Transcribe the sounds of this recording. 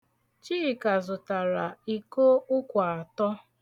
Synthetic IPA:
t͡ʃiː˦˨ka˨zʊ˨ta˨ɾa˨i˨ko˦ʊ˦kʷa˨a˨tɔ˦

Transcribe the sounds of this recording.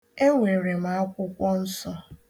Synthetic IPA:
e˦ŋʷe˨ɾe˨ma˨a˦kʷʊ˦kʷɔ˦n̩˦sɔ˦

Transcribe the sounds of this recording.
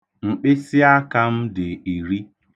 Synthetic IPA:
ŋ͡m̩˨k͡pe˦sɪ˦a˦ka˦m̩˦dɪ˨i˨ɾi˦

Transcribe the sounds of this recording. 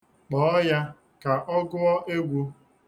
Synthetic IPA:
k͡pɔ˨˦ɔ˦ja˦ | ka˨ʔɔ˦ɡʊ˦ɔ˦ʔe˦ɡʷu˦

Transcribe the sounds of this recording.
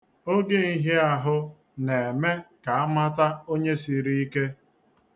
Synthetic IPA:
o˦ɡe˦i˦ɦe˦a˨ɦʊ˦ | ne˨me˦ka˨a˦ma˦ta˦o˦ɲe˦si˨ɾi˦i˦ke˦

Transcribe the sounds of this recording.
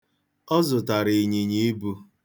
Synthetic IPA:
ɔ˦zʊ˨ta˨ɾi˨ɲi˨ɲi˦i˦bu˦

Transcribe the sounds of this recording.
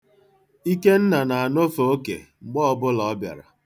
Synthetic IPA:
i˦ke˦n̩˦na˨na˨a˨no˦fo˨o˦kḛ˨ŋ͡m̩˨ɡ͡bɔ˦ɔ˦bʊ˦lɔ˨ɔ˦bja̰˨ɾa̰˨

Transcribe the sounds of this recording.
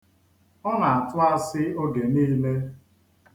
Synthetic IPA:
ɔ˦na˨a˨tʊ˦a˦sɪ˦o˦ɡe˨niː˦le˦

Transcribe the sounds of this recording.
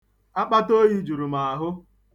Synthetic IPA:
a˦k͡pa˦to˦ji˦d͡ʒu˨ɾu˨ma˨a˨ɦʊ˦

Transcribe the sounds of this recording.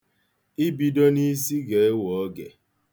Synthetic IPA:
i˦bi˨do˦ni˦s̬i˦ɡe˨e˦wɔ˨ɔ˦ɡḛ˨

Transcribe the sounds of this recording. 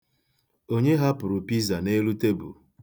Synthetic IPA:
o˦ɲe˦ɦa˦pʊ˨ɾʊ˨pi˦za˨ne˦lu˦te˦bṵ˨

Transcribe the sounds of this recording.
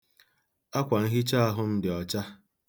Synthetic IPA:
a˦kʷa˨n̩˦ɦɪ˦t͡ʃa˦a˦ɦʊ˦m̩˦dɪ˨ɔ˨t͡ʃa˦

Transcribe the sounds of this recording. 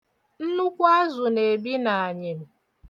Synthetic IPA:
n̩˦nʊ˦kʷa˦zʊ˨ne˨bi˦na˨a˨ɲe˨m̩˨

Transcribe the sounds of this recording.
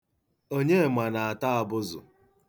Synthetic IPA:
o˦ɲe˦˨ma˨na˨a˨ta˦˨bʊ˦zʊ̰˨

